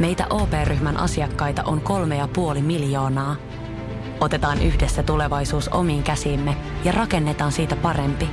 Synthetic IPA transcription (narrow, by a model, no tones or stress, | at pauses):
me̞jt̪æ̰ʔo̞ːpe̞ːryçmænʔɑ̰siɑkːɑjt̪ɑ̰ʔo̞ŋko̞lme̞jɑpuo̞limiljo̞ːnɑː | o̞t̪e̞t̪ɑːnyçdesːæt̪ule̞ʋɑjsuːsʔo̞̰miːŋkæsiːmːejɑrʔɑke̞nːe̞t̪ɑːnsiːt̪æpɑɾe̞mpi